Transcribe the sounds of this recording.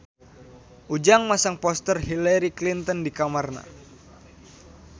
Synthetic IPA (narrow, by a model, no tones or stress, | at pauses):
ʔud͡ʒaŋmasaŋpɔst̪ərhilaɾiklint̪ɔndikamarna̰